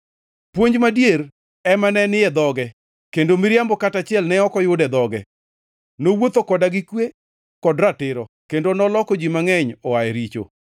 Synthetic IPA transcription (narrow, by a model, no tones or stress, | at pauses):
pwoɲd͡ʒmadjeɾ | ɛmanɛnɪjɛd̪ɔɡɛ | kendomɪɾjambɔkatat͡ʃɪɛlnɛɔkɔjʊdɛd̪ɔɡɛ̰ | nowot̪okɔdaɡɪkwe | kɔdɾatɪɾɔ | kendonɔlɔkod͡ʒimaŋɛɲɔajɛɾit͡ʃo̰